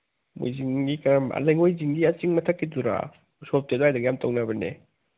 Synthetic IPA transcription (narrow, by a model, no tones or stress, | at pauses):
mṵjziŋɡikaɾama̰lajŋojziŋɡiat͡ʃiŋmɐtʰɐkːiduɾa̰ | sop̚tedoajdaɡijamtʰawnabɐnḛ